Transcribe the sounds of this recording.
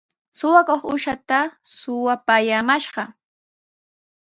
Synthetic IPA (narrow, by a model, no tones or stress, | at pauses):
sʊwakoχʊʃat̪asʊwapaːjamaʃɢɑ